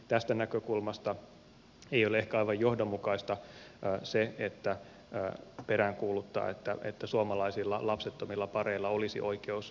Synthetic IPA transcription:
t̪æst̪ænækøkulmɑst̪ɑ | eijolee̞hkæɑiʋɑjjo̞hdomːukɑist̪ɑseet̪ːæ | peɾæŋkuːlut̪ːɑ̰ːet̪ːæ̰ḛt̪ːæsuɑmɑlɑisilːɑlɑpset̪ːomilːɑpɑreilːɑolisḭʔo̞ikeus

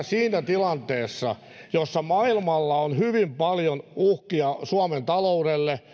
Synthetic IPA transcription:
siːnæt̪ilɑnt̪eːsːɑ̰ | josːɑmɑilmɑlːɑonhyʋimpɑljonuhkiɑsuɑment̪ɑloudelːe

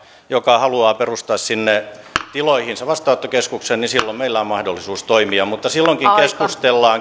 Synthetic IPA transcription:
jokɑhɑluɑːperust̪ɑːssinːet̪iloihinsɑʋɑst̪ɑːˑut̪ːokeskuksennisilːommeilːæommɑhdolːisuːst̪oimiɑmut̪ːɑsilːoŋkiŋkeskust̪elːɑːŋ

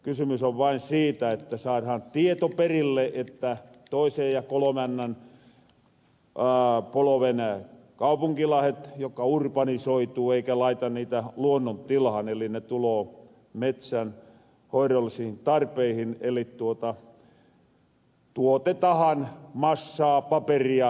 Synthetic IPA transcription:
kysymysoʋʋɑinsiːt̪æet̪ːæsɑːrhɑnt̪iet̪operilːeʔet̪ːæ | t̪oisejjɑkolomænːæn | poloʋenæ | kɑupuŋkilɑhet̪jokːɑurpɑnisoit̪uːeikælɑit̪ɑnniːt̪æluonːont̪ilhɑnelinet̪uloː | met̪sæn | hoirolːisihint̪ɑrpeihinelitt̪uot̪ɑ | t̪uot̪et̪ɑhɑnmɑsːɑːpɑperiɑ

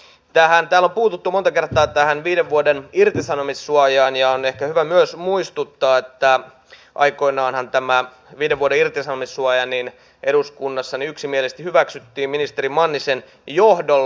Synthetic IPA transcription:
t̪æhænt̪æːlːo̞mpuːt̪ut̪ːumot̪ɑke̞rt̪ˑɑːt̪æhænʋiːdeʋʋuodenirt̪isɑnomisːuɑjɑːnjɑonehkæhyʋæmyøsmuist̪ut̪ːɑːet̪ːæ | ʔɑ̰ikoinɑːnhɑnt̪æmæ | ʋiːdeʋuoɾeirt̪isɑnomisːuɑjɑnin | ʔeɾuskunːɑsːɑniyksimielest̪ihyʋæksyt̪ːiːmminist̪eɾimɑnːisen | johdol

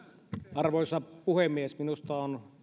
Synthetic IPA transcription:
ɑrʋoˑisɑpuhemːˑiesminust̪ɑon

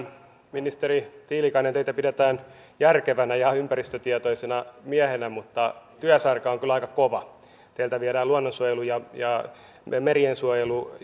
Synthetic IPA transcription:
minist̪eɾit̪iːlikɑinent̪eit̪æpidet̪æːn | jærkeʋænæjɑympærist̪øt̪iɛt̪oisenɑmiæhenæmut̪ːɑt̪yæsɑrkɑoŋkylɑikɑkoʋɑ | t̪eilt̪æʋiæɾæːluonːonsuojelujɑjɑ | meriensuojelu

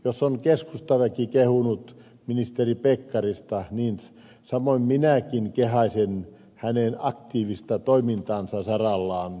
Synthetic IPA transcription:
josːoŋkeskust̪ɑʋækikehunut̪ | minist̪eripekːɑrist̪ɑniːn | sɑmoimminækinkehɑisen | hænenɑkt̪iːʋist̪ɑt̪oimint̪ɑːnsɑsɑrɑlːɑːn

